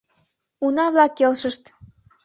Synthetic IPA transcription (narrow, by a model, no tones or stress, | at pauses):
unɑβlɑkːelʃəʃt̪